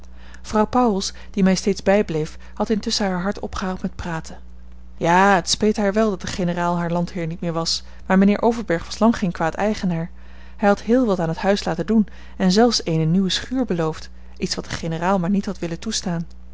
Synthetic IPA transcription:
v̥rɑwpɑwlˠs | d̥imɛjstejdzbɛjblejf | hɑtɪntʏsəɦaːɹɦɑɹtɔ̰pχəɦaːwlˠtmɛt̚praːtʰən | jaːətspejtɦaːɹʋɛlˠdɑt̚dəχenəraːlˠɦaːɹlɑntɦɪːɹnit̚mɪːɹʋɑs | maːɹmənɪːɹʔowvəɹbɛɹχʋɑslɑŋχejnkʋaːtɛjχənaːɹ | hɛjɦɑtɦɪːlˠʋɑtaːnɦətɦœɥslaːtəndun | ɛnzɛlˠfsejnənywəsχyːɹbəlowft | ʔitsʋɑt̚d̥əχenəraːlˠmaːɹnitɦɑtʋɪləntustaːn

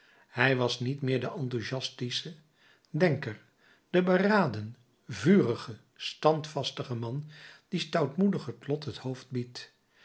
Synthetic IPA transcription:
hɛjʋɑsnitmɪːɹdəʔɑntuʒɑstisə | dɛŋkəɹ | d̥əbəraːdən | vyːrəχə | stɑntfɑstəχəmɑnd̥istawtmudəχətlɔtɦəthowfd̚bit

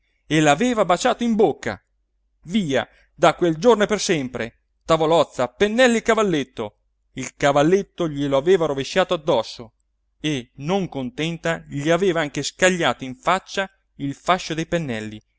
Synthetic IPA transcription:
elaveːvabat͡ʃaːt̪oimbokːa̰ | viːa̰ | d̪akweld͡ʒornopersɛmpɾe | t̪avolɔt̪sːapenːɛlːiekavalːet̪ːo | ilkavalːet̪ːoʎiloaveːvaɾoveʃːaːt̪oad̪ːɔsːo | enoŋkont̪ɛnt̪aʎiaveːvaaŋk̟eskaʎːaːt̪oiɱfat͡ʃːa | ilfaʃːod̪ejpenːɛlːi

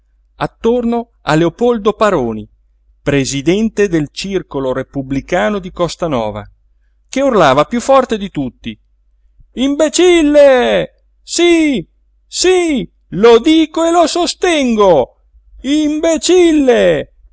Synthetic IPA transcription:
at̪ːorno | a̰leopɔld̪opaɾoːni | pɾezid̪ɛnt̪ed̪elt͡ʃirkoloɾepublikaːnod̪ikɔst̪anɔ̰ːva̰ | k̟eurlaːvapjufːɔrt̪ed̪it̪ut̪ːi | imbet͡ʃilːe | si | si | lod̪iːkoelosost̪ɛŋɡo | imbet͡ʃilːe

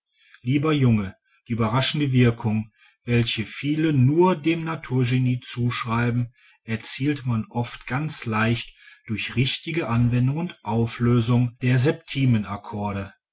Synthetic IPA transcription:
liːbɐjʊŋə | d̥iːʔyːbɐʁaʃn̩dəvɪɐkʰʊŋ | vɛlçəfiːlənuːɐdeːmnatʰuːɐʒeniːt͡suːʃʁ̥aɪbm̩ | ʔɛɐt͡siːltmanʔɔftɡ̥ant͡slaɪçtd̥ʊɐçʁɪçtɪɡəʔanvɛndʊŋʊntʔaʊfløːzʊŋd̥eːɐzɛp̚tʰiːmənakʰɔɐɾə

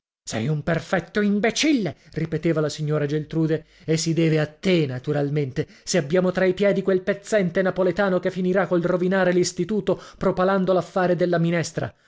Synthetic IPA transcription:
sɛ̰jumperfɛt̪ːoimbet͡ʃilːeripet̪eːvalasiɲːoːɾad͡ʒelt̪ɾuːd̪eː | sːid̪ɛːveat̪ːenat̪uɾalment̪e | seabːjaːmot̪ɾaipjɛːd̪ikwelpet̪sːɛnt̪enapolet̪aːnokefːiniɾakːolrovinaːɾelist̪it̪uːt̪opɾopaland̪olafːaːɾed̪elːaminɛst̪ɾa̰

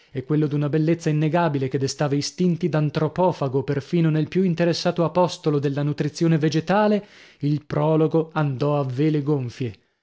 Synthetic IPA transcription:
ɛkːwelːod̪unabelːet̪sːainːeɡaːbileked̪ːest̪aːvaist̪int̪id̪ant̪ɾopɔːfaɡoperfiːnonelpjuint̪eɾesːaːt̪oapɔst̪olod̪elːanut̪ɾit̪sːjoːneved͡ʒet̪aːleilpɾɔːloɡoand̪ɔavːeleɡoɱfje

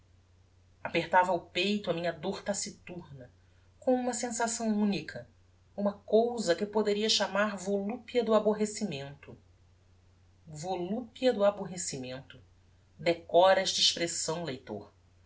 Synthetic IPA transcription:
apeχt̪avɐupejt̪ʊɐmĩɲɐd̪oɾt̪asit̪uɾnɐ | kõw̃ũmɐsẽsasɐ̃w̃ũnikʰɐ | ũmɐkowzɐkɪpod̪eɾiɐʃamaɾvolupiɐd̪ʊaboɦesimẽnt̪ʊ | volupiɐd̪ʊaboɦesimẽnt̪ʊ | d̪ekɔɾɐɛʃt̪ɐiʃpɾesɐ̃w̃lejt̪o̰ɾ

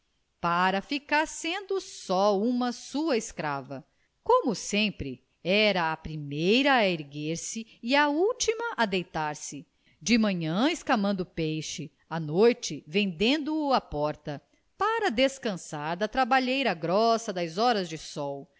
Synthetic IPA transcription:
paɾɐfikaɾsẽnd̪ʊsɔũmɐsuɐeskɾavɐ | kõmʊsẽmpɾɪ | ɛɾɐːpɾimejɾɐːeɾɡeɾsɪiɐuwt͡ʃimɐʔad̪ejt̪aɾsɪ | d͡ʒɪmɐ̃ɲɐ̃eskamɐ̃nd̪ʊpejʃɪ | ɐnojt͡ʃɪvẽnd̪ẽnd̪ʊːɐpɔɾt̪ɐ | paɾɐd̪eskɐ̃saɾd̪ɐt̪ɾabaʎejɾɐɡɾɔsɐd̪ɐzɔɾɐzd͡ʒɪsɔw

